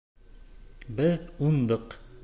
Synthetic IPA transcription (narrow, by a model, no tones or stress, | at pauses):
bɘðund̪ɤq